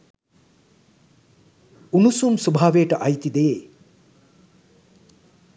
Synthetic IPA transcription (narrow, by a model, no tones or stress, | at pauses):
unusumsubʱaːʋeːʈɐʔɐjt̪id̪ee